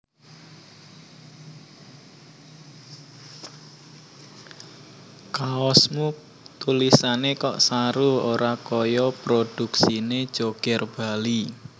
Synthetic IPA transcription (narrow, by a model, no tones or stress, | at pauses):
kaɔsmu | t̪ulisanekɔ̰ʔsaɾuoɾakɔjɔpɾod̥ṳksined̥ʒ̥oɡ̥ɛrb̥a̤li